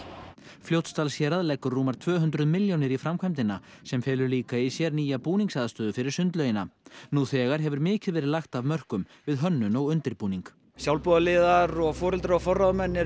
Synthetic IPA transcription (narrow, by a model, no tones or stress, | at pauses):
flowt̪st̪alsjɛːɾaðlɛkʏɾːuːmaɾ̥t̪ʰvœːɦʏnt̪ɾʏðmɪljownɪɾifɾamkʰajmt̪ɪnasɛmfɛːlʏɾliːkaisjɛɾniːjapuːniŋksaːðast̪œːðʏfɪɾɪɾ̥sʏnt̪lœɥjɪnanuθɛːɣaɾɦɛvʏɾmɪːcɪðvɛːɾɪðlaxt̪avmœr̥kʏm | vɪðɦœnːʏnɔɣʏnt̪ɪɾpuːniŋk | sjawlpɔːðalɪːðaɾɔɣfɔːɾɪlt̪ɾawfɔrːaðmɛnːɪ